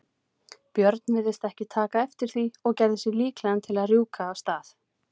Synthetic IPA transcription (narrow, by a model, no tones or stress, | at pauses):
pjœɾt̪̚nvɪðɪst̪ɛhcɪt̪ʰaːkaɛft̪ɪɾ̥θiɔɣcɛjɾðɪsɪɣliːklɛðant̪ʰɪlaðrjuːkaːwst̪aːθ